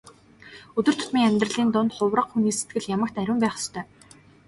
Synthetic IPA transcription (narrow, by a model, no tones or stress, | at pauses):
ɵt̪ɵ̆r̥t̪ʰʊ̥t̪miːŋæmʲt̪rə̆ɮiːnt̪ʊnt̪χʊwrə̆qxuniːset̪̚ɡɘ̆ɮjamə̆k̚t̪æɾʲʊ̆mpæːχɔ̥st̪ʰœː